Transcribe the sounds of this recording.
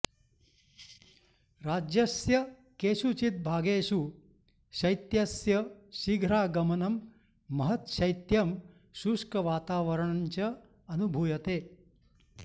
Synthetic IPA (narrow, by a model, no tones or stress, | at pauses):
ɾaːd͡ʒjɐsjɐ | keːʃut͡ʃit̪̚bʱaːɡeːʃu | ʃɐjt̪jɐsjɐʃiɡʱɾaːɡɐmɐnɐmː | ɐɦɐt̪ʃɐjt̪jɐm | ʃuʂkɐʋaːt̪aːʋɐɾɐɳɐɲt͡ʃɐ | ɐnubʱuːjɐt̪eː